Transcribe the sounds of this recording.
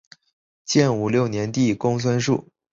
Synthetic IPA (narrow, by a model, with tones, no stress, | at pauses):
t͡ɕjɛ˥˩nu˨˩ljo˥˩ʊnjɛ˧˥nt̪i˥˩kʊ˥ŋsʰwa˥nʂṵ˥˩